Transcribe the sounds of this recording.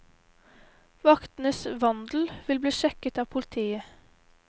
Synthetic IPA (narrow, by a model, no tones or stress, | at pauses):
ʋɑkt̪nəsʋɑnd̪l̩ʋɪlbliːʃɛkət̪ɑːpʰʊlɪt̪ʰiːə